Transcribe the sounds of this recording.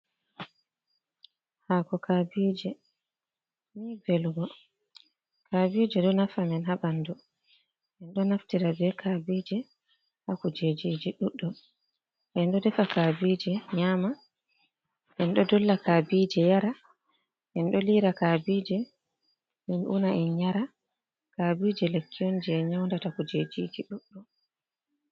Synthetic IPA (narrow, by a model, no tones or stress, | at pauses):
haːkɔkabiːd͡ʒɛ | mibɛlɡɔ | kʰabid͡ʒɛɗɔnafamɛnɦabandɔ | ʔɛnɗɔnaftiɾabɛkʰabid͡ʒɛ | hakud͡ʒed͡ʒid͡ʒiɗuɗːɔ | ʔɛnɗɔdɛfakaːbid͡ʒɛɲaːma | ʔɛnɗɔdɔlːakabiːd͡ʒɛjaɾa | ʔɛnɗɔliɾakaːbiːd͡ʒɛ | minʔṵnaɛnɲaɾa | kabid͡ʒɛlekʰːijɔnd͡ʒɛɲawndatakud͡ʒed͡ʒid͡ʒiɗuɗːɔ